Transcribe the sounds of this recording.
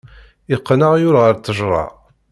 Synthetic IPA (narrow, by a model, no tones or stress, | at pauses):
ɪqːnəʁjʊɾʁəɾt͡s̪əʒɾˤɑ̰